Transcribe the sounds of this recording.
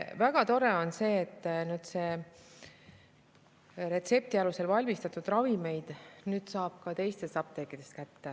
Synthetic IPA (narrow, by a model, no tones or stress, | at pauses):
væɡ̥ɑt̪o̞ɾeo̞nse̞ːt̪ːnyːd̪̥se̞ | ɾe̞t̪se̞p̚t̪iɑluse̞lvɑlʲmist̪ɑt̪ˑud̪̥rɑvime̞jd̪̥nyːd̪̥sɑːb̥kɑt̪e̞jst̪est̪ɑp̚t̪e̞kːid̪̥e̞st̪kæt̪ːe